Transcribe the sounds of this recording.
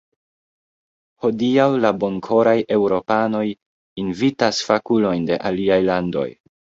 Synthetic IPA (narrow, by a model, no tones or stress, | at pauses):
ho̞diawlabo̞ŋkʰo̞ɾajʔe̞wɾo̞pano̞j | invitasfakulo̞jnde̞̰ʔaliajlando̞̰j